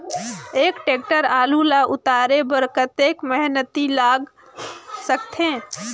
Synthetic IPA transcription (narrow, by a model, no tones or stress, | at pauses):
eːkʈeːk̚ʈəɾaːlulaʔʊt̪aːɾebəɾkət̪eːkmɛɦnət̪ilaːɡ | sək̚t̪ʰẽː